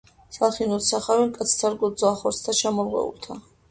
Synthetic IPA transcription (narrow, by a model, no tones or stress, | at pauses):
salˠχinɔt̪saχaɾimkʼat̪sʰt̪ʰaɾɡɔd̪zɔaχɔɾt̪st̪ʰat͡ʃʰamɔlʁwɛ̰ṵlt̪ʰa